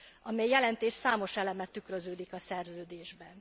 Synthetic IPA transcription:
ʔɒmɛjjɛlɛnt̪eːʃsaːmo̞ʃɛlɛmɛt̪ːykrøzøːd̪ikɒsɛrzøːd̪eːʒbɛn

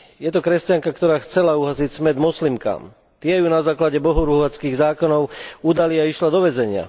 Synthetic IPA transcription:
jɛt̪ɔkɾɛscaŋkakt̪ɔɾaːxt͡sɛlauɦazicsmɛd̪mɔslimka̰ːm | t̪ɪɛjunazaːklaɟɛbɔɦɔɾuɦɔʋat͡skiːɣzaːkɔnɔʊud̪aliaiʃlad̪ɔʋɛzɛɲɪa̰

